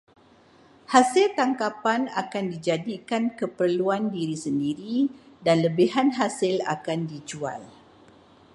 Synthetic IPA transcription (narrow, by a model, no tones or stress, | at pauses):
hasɪlt̪aŋkapana̰kandid͡ʒadikankəpərluandiɾisəndiɾidanləbiɦanɦasɪla̰kandid͡ʒua̰l